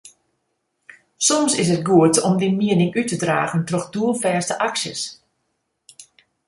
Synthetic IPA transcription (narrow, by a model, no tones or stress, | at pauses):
sɔmsɪs̬ət̚ɡuətɔmdimiənɪŋytədra̰ːɣəntroxduəlˠfɛːstəʔaksjə̰s